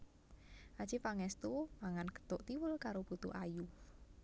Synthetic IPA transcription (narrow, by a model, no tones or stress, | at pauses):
ʔad̥ʒ̥ipaŋɛst̪umaŋanɡə̥t̪ʊʔt̪iwʊlkaɾob̥ut̪ṵʔaju